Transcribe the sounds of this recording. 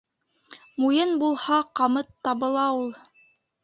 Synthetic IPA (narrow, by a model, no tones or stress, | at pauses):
mujɤnbulˠhɑqɑmɤt̪ːɑβɤ̆lˠɑulˠ